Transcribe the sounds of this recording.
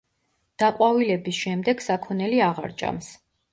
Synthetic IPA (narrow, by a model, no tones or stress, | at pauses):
d̪̥aqʼwavilɛbisʃɛmd̪ɛɡ̥sakʰɔnɛliaʁa̰ɾt͡ʃʼa̰ms